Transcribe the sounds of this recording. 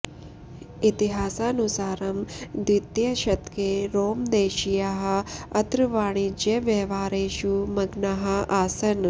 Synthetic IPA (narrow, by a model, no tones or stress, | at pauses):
it̪iɦaːsaːnusaːɾɐmd̪wit̪jɐʃɐt̪keːɾoːmd̪eːʃijaɦɐ̆ɐt̪ɾɨʋaːɽ̃id͡ʒjɐʋjɐɦʋaːɾeːʃumɐɡnaɦɐ̆aːsɐn